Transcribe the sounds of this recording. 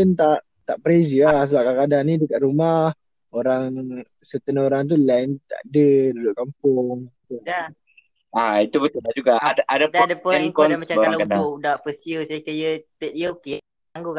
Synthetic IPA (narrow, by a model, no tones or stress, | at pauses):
ənt̪aʔ | t̪aʔpəɾezəas̬əbap̚kakadanidəkaʔɾumah | oɾaŋ | sət̪ənoɾaŋt̪̬ulant̪a̰ʔdədudʊʔkampʊŋt̪ua | ait̪ubət̪ʊlad͡ʒuɡaadaʔadadaʊankɔnmat͡ʃakalkadaodaʔpəsjusaikəjət̪et̚iəoke | taŋɡuka